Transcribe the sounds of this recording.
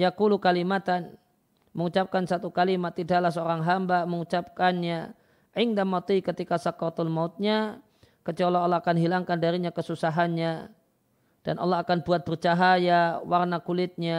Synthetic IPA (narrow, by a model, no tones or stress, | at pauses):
jakulukalimat̪an | məŋut͡ʃap̚kansat̪ukalimat̪ːidalahsəoɾaŋɦambaməŋut͡ʃap̚kanɲa | ʔiŋdamat̪uikət̪ikasakɔrt̪ɔlmaʊt̪̚ɲa | kət͡ʃɔlɔːlːaakanɦilaŋkandaɾiɲakəsusaɦanɲa | d̥anʔa̰lːɔɦakanbuat̪̚bərt͡ʃaɦajawarnakulɪt̪̚ɲa